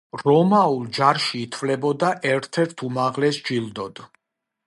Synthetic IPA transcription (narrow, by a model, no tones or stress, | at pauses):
ɾɔmaulˠd͡ʒaɾʃiːt̪ʰvlɛbɔd̪aʔɛɾt̪ʰɛɾt̪ʰumaʁlɛsd͡ʒilˠd̪ɔd̪̥